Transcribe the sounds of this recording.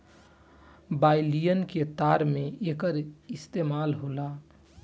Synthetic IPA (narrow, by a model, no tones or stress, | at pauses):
baɪlijənket̪aɾmeekəɾist̪emalɦola